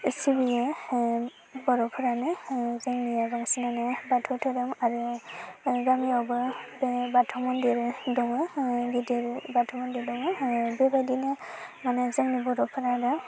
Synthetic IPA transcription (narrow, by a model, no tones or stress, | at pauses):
sibijɛ | bɔɾɔpʰɯɾanɛzɛŋnijaɡɔŋsinanɛbatʰɔtʰɔdamaɾu | ɡamiɔbɯbbatʰɔmɔndiɾdɔŋɯɡidiɾbatʰɔmɔndidɔŋɯbɛbajdinɛmanɛzɛŋnibɔɾɔpʰɯɾadam